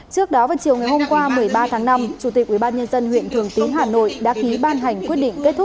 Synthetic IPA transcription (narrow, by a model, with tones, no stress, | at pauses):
t͡ɕɨ˦˥ək̚ɗɔ˨˦vaː˨˩t͡ɕi˨˩əwŋa˨˩jho˧mkwaː˧mɨ˨˩əjɓaː˧t̪ʰaː˨˦ŋna˧mt͡ɕu˧˩t̪i˨˩k̚ʔwi˧˩ɓaː˧nɲə˧nzə˧nhwḭ˧˨ənt̪ʰɨ˨˩əŋt̪i˨˦nɦaː˨˩no̰˧˨jɗa̰ː˧˥ki˨˦ɓaː˧nɦa˨˩jŋ̟kwət̚ɗḭ˧˨ŋke˦˥t̚t̪ʰʊ˦˥k͡p̚